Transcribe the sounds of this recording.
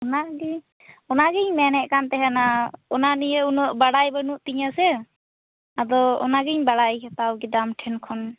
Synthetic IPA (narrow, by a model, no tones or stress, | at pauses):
ɔnaɡɛ | ɔnaɡɛɲmɛnɛʔkant̪ɛɦɛnaɔnanijəunɔʔbaɽajbənuʔt̪iɲasɛ | ad̪ɔɔ̰naɡɛɲbaɽajkɛt̪awɡɛdamʈʰɛnkʰɔn